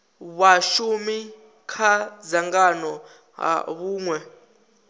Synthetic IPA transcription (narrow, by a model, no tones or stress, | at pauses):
βwaʃumi | kʰazaŋɡanɔ | ɦa̰βuːŋwɛ